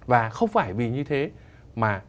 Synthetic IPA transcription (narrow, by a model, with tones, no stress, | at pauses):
vaː˨˩xə˧wŋ͡mfaː˧˩jvi˨˩ɲɨ˧t̪ʰe˨˦ | maː˨˩